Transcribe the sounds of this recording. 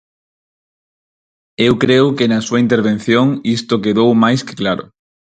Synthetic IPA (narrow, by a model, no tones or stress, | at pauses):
ewkɾewkenasuaint̪eɾβ̞ẽn̟θjoŋist̪okeðowmajske̥klaɾo̰